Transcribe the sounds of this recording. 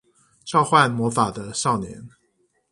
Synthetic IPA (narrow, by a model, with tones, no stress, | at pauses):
ʈ͡ʂɑ˥˧ʊxwa˥˨nmwɔ˧˥fa˨˩d̪ə˦ʂɑ˥˩ʊnjɛ̰˧˥n